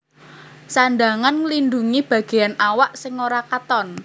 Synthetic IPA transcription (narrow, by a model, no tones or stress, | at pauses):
sandaŋanlinduŋib̥ä̤ɡ̥e̤janawaʔsɪŋːoɾakat̪ɔn